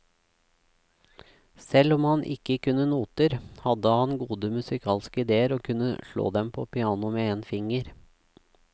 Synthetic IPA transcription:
sɛlɔmhɑnʔɪ̰kəkʰʉnənuːt̪əɾhɑd̪əhɑnɡuːd̪əmʉsɪkʰɑːlskəɪd̪eːəɾoːkʰʉnə̰ʃɭo̰ːd̪ɛmpʰo̰ːpʰɪɑːnʊmeːeːnfɪŋəɾ

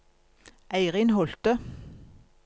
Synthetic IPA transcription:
æɪʁɪnhɔlt̪ə

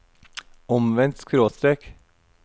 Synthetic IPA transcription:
ɔmʋɛnt̪skʰɾoːst̪ɾek

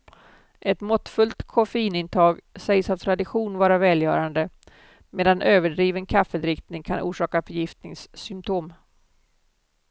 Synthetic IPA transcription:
ʔɛt̪mɔt̪ːfɵlt̪kʰɔfɛiːnɪnt̪ʰɑːɡsɛjsat̪ʰːɾad̪ɪɧuːnvɑːɾavɛːljœ̰ːɾand̪ə | meːd̪anʔøːvəɖɾiːvənkʰafːəd̪ɾɪkt̪nɪŋkʰanʔṵːʂɑːkafœɾjɪft̪nɪŋsːʏmt̪ʰoːm

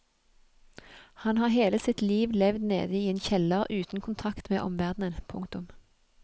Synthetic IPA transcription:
hɑnhɑːʁɦeːləsɪt̪liːʋlɛʋd̪nḛːd̪əiːeːnçɛləʁʉːt̪n̩kʰʊnt̪ʰɑkt̪mḛːʔɔ̰mʋæʁd̪nənpʰʊŋkt̪ʊm

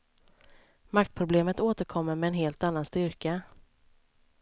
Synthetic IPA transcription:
makt̪̚pʰɾʊbleːmət̪oːt̪əɾkʰɔmːəɾmɛːnɦeːlt̪anːanst̪ʏɾka

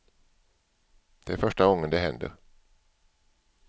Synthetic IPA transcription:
d̪̥ɛæɾfœʂʈaɡɔŋːənd̪ɛɦɛnd̪ə̰ɾ

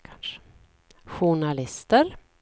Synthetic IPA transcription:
kʰanʂə̥ | ɧʊɳalɪst̪əɾ

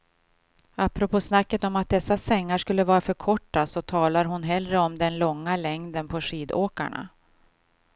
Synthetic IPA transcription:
apɾɔpʰoːsnakːət̪ɔmat̪̚d̪ɛsːasɛŋːaʂkɵlːəvɑːɾafœɾkʰɔʈːasɔt̪ʰɑːlaɾɦʊnɦɛlɾəɔmd̪ɛnlɔŋːalɛŋd̪ənpʰɔʂiːd̪oːka̰ɳa̰

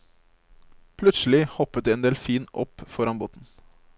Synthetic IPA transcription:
pʰlʉt̪sl̩ɪhɔpːət̪̚iːɛːnd̪eːlfiːnɔpfɔɾɑnboːt̪n̩

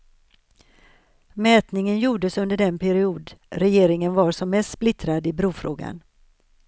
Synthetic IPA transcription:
mɛːt̪nɪŋənjuːɖəsɵnd̪əɖɛnpʰæɾɪuːd̪ɾɛjeːɾɪŋənvaɾʂɔmːɛst̪splɪt̪ɾad̪ɪbɾuːfɾoːɡa̰n

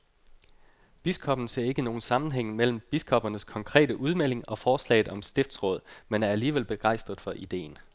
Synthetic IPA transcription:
b̥iskʰɒ̽b̥n̩se̝ɐe̝ɡ̥əno̝ːn̩sɑ̈mn̩ɦeŋ̰mel̰m̩b̥iskʰɒ̽b̥ɐnəskʰɒ̽ŋkʰʁɛ̰ːd̥əʔuð̞ˠmel̰e̝ŋɒ̽fɒːslɛ̰ɪð̩ˠɒ̽msd̥e̝fd̥sʁɔ̽ð̰ˠmenæɐæliːʋelb̥e̝ɡ̥ɑ̈ɪ̰sd̥ʁɐð̩ˠfɒ̽ʔid̥e̝̰ːn

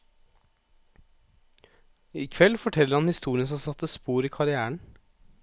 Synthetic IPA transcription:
iːkʰʋɛlfɔʈʰɛləɾhɑnhɪst̪uːɾɪnsɔmsɑt̪ːəspuːɾiːkʰɑɾɪæːəɳ

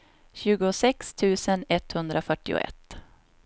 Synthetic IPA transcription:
ɕʉ̟ːɡʊsɛkst̪ʰʉ̟ːsənɛt̪hɵnd̪ɾafœʈːɪ̰ʊ̰ɛ̰t̪ː

